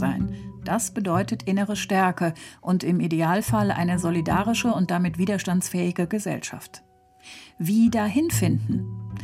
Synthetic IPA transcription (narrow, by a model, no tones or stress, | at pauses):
zaɪnd̥asb̥ədɔʏtətʰʔɪnəʁəʃtɛɐkəʔʊntɪmʔideaːlfalʔa̰ɪnəzolidaːʁɪʃəʊnt̚d̥amɪtv̥iːdɐʃtantt͡sfɛːɪɡəɡəzɛ̰lʃa̰ft | viːdaːɦɪnfɪndn̩